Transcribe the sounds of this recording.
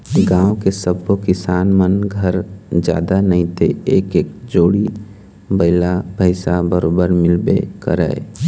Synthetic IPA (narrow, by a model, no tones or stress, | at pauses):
ɡãːwkesəbokɪsaːnmənɡʱəɾd͡ʒja̰ːd̪anəɦĩt̪eeːkeːk̚d͡ʒoːɽi | bəɪlabʱəɪsabəɾoːbəɾmɪlbḛkə̰ɾə̰ɪ